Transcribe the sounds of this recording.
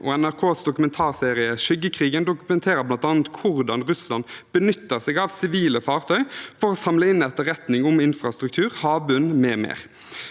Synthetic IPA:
ʔo̰ːɛnæʁkʰoːsd̪ʊkʉmɛnt̪ʰɑːʁseːʁɪəʃʏɡːəkʰʁiːɡənd̪ʊkʉmɛnt̪ʰeːɾəblɑnt̪ɑːnət̪kʰʊʁd̪ɑnʁʉslɑnb̥ənʏt̪ːəʁsɛɡɑʋsɪʋiːləfɑːʁt̪ʰœʏfɔʁoːsɑmləɪnɛt̪əʁɛt̪nɪŋʊmɪnfʁɑst̪ʁʉk̚t̪ʰʉːʁhɑːbʉnmɛːmḛːʁ

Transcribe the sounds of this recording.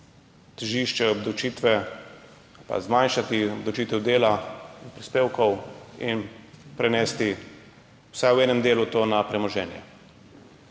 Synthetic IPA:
t̪əʒiːʃt͡ʃɛɔbd̪ɔt͡ʃiːt̪ʋɛ | pa̰zmanʃat̪iɔbd̪ɔwt͡ʃiːt̪ɛwd̪eːlanpɾispeːwkɔwinpɾɛnɛːst̪i | w̥sajwɛːnɛmd̪eːlut̪oːnapɾɛmɔʒɛːnjɛ̰

